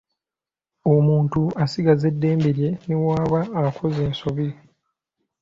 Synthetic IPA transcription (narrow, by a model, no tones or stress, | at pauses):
omuːntuasiɡaze̞dːe̞ːmbeɾje̞niwaːβaːakʰozeːnsoβi